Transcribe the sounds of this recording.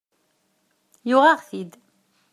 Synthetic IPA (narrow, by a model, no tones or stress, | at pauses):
jʊʁɑʁθid̪